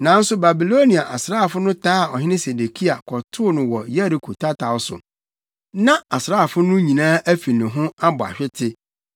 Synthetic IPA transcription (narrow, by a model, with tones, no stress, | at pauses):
nã˨˦n̩˦sʊ˦ba˨bi˨lo˦nĩ˨a˨ʔa˨sɾaː˦˨fʊ˦nʊ̃˦tʰaː˦˨ɔ˨ɦɪ̃˦nɪ̃˦se˨de˨kʰi˦a˨kʰɔ˨tʰʊ˦nʊ̃˨wɔ˨je˦ɾi˨kʰo˨tʰa˦tʰa˨ʊ˦sʊ̰˨ | nã˦a˨sɾaː˦˨fʊ˦nʊ̃˦ɲĩ˨nãː˦ʔæ˦fi˨nɪ̃˨ɦʊ̃˦a˦bɔ˨a̰˨ɕᶣɪ˦tʰɪ˦